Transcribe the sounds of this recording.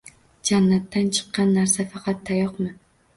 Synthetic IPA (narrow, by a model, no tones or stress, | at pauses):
d͡ʒanːat̪ːant͡ʃʰɨ̥qːɑnːaɾsafɑqʰɑt̪ʰːajɒqmɪ